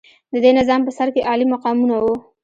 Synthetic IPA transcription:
d̪əd̪enɪzɑmpəsaɾkeʔɑlimaqɑmunawu

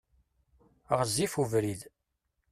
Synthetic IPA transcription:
ʁəzːifuvɾið

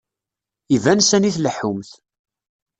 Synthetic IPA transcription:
ivænsæniθləħʊmθ

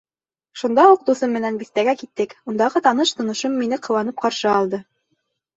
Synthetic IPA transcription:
ʃund̪ɑuq̚d̪uθɤmːɘ̆nænbiθt̪æɡækit̪ːɘkund̪ɑʁɤt̪ɑnɤʃt̪ŏnŏʃomːinɘqɤ̆wɑnɤp̚qɑɾʃɤɑlˠd̪ɤ

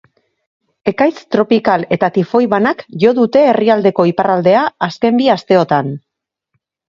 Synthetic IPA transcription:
e̞kajt͡st̪ɾo̞pikale̞t̪at̪ifo̞jβanakʝo̞ðut̪e̞ːriald̪e̞ko̞iparald̪e̞aːske̞mbiast̪e̞o̞t̪an

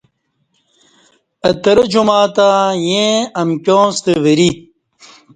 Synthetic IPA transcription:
ɐt̪ɐɾɐd͡ʑumaːt̪aːjẽɐmkʲjõːst̪eʋeɾi

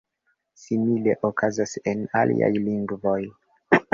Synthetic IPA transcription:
simile̞ʔokʰazase̞nalʔḭa̰jliŋɡvo̞j

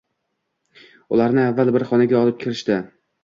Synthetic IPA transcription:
ʊ̰laɾnɪavːalbɪɾχɒnaɡʲaɒlˠɪp̚kʲʰɪɾɪʃt̪ɪ

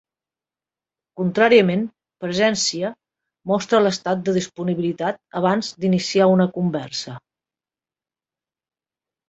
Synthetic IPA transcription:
kunt̪ɾaɾiəmen | pɾəzɛnsiə | mɔst̪ɾələst̪at̪̚d̪əðispuniβilit̪at̪̚əβ̞anzd̪inisiaunəkumbɛɾsə

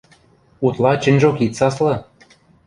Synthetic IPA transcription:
ut̪lˠɑt͡ɕɘ̆nʲʒokit̪sɑslɤ̆

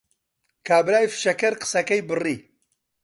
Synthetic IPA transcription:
kʰaːbɾaːjfɨ̥ʃɐkɐɾqɨ̥sɐkɐjbɨriː

